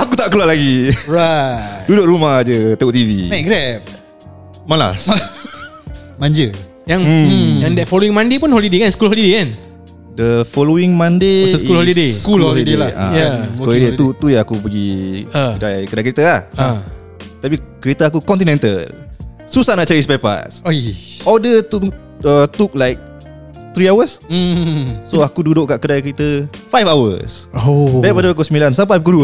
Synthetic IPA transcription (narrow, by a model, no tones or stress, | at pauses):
akut̪aʔkəlualaɡiɹad̥udoʔɾumahd͡ʒət̪əut̪ivimaɡɾɛp̚ | mala̰s | mãɲd͡ʒə | jaŋjaŋdɛt̚fɔloĩŋmãndepunɦɔlidekanskulɦɔlidekan | dəfɔlowiŋmãndesskulhɔlideskulɔlidelaʔã̰jaskuɔidet̪ut̪ujãakup̬əɡikədajkədajkəɾit̪əaha | t̪apikəɾet̪aakukɔ̃nt̪inɛ̃nt̪ə̰l | susanaʔt͡ʃaɾispapa̰soɔdət̪u | ət̪uk̚lajk̚ | t̪ɾiawəs̩ | soakududoʔkaʔkədajkəɾit̪əfajfawə̰sodɛ̃padəak̬usəmilansampajpək̬udu